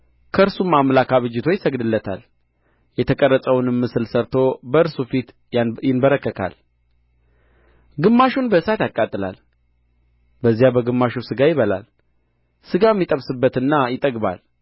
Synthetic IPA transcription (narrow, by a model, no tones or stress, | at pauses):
kʰəɨɾsumːamlakʰaβɨd͡ʒːɪt̪ʰo̞jɪsəɡd̪ɨlːət̪ʰa̰l | jɛt̪ʰəkʼərːət͡sʼəwnɨmːɨsɨlsəɾt̪ʰo̞bəɨɾsufit̪ | jɪnbəɾəkːəkʰa̰l | ɡɨmːaʃunbəɨsat̪jakʼːat̪ʼːɨla̰l | bəzːijabəɡɨmːaʃusɨɡajɪβəla̰l | sɨɡajmːit̪ʼəβsɨbːət̪ɨnːajɪt̪ʼəɡba̰l